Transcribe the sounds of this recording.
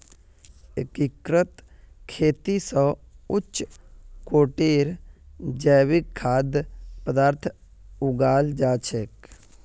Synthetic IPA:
ekikɾət̪ | kʰeːt̪isə̃ʊt͡ʃːkoːʈeːɾd͡ʒəːʋɪkʰːaːd̪pəd̪aːɾt̪ʰ | ʊɡaːld͡ʒaːt͡ʃʰek

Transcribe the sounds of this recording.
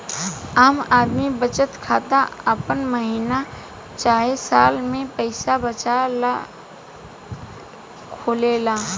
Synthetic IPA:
aːmaːd̪mibət͡ʃət̪kʰaːt̪aəpənməɦiːna | t͡ʃaːɦesaːlmẽpəɪsabət͡ʃala | kʰoːleːlaː

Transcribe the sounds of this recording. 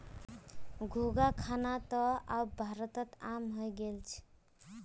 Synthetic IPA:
ɡʱoɡakʰanat̪ʌabbʱaɾət̪ʌt̪amɦojɡelt͡ʃʰ

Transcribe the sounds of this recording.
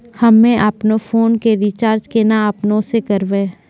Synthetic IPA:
hɐmːẽʔəpnofʰoːnkeɾit͡ʃaːɾd͡ʒkenaɐpnõsekɐɾʋẽː

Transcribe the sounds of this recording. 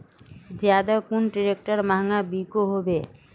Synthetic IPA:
zjaːd̪akʊnʈiɾek̚ʈəɾmaːŋabikoɦobeː

